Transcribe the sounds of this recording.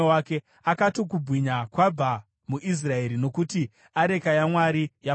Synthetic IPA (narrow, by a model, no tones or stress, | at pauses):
wake̞ | akato̞k̬ubwiɲakwab͡va | muʔis̬rae̞ɾino̞kuti | aɾe̞kajamwaɾija